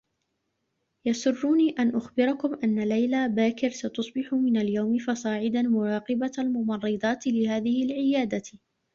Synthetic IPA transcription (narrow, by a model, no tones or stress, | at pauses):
jɑsʊrˤːuːniːʔanʔʊxbɪɾˤɑkʊmʔanːalajlaːbaːkɪɾsat̪ʊsˤbɪħʊmɪnaljawmɪfɑsˤɑːʕɪd̪anmʊɾˤɑːqɪbaalmʊmɑrˤːɨd̪ˤɑːt̪lɪhaːðɪhɪlʕɪjaːd̪a